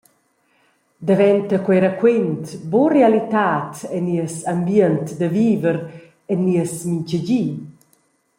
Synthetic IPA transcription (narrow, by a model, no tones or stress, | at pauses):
d̪ɛvɛnt̪əkwɛɾakwent̪borealit̪aːt̪ɛniəsambjənt̪d̪əviːvəɾ | ɛnːiəsmincəd͡ʑiː